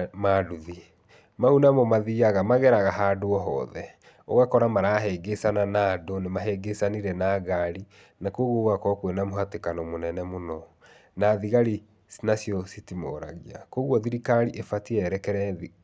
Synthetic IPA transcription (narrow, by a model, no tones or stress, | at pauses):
maduði | maunamɔmaðiaɣamaɣɛɾaɣaɦadoɔɦɔ̰ːðɛ | o̰ɣakɔɾamaɾaɦɛɡesananadonemaɦɛɡesaniɾɛnaːɣaɾi | nakoɣoɣwakɔkwenamoɦatekanɔmonɛnɛmonɔ | naðiɣaɾi | snasiɔsitimɔɾa̰ɣia̰koɣwɔðiɾikaɾiʔefatiɛɾɛkɛɾɛði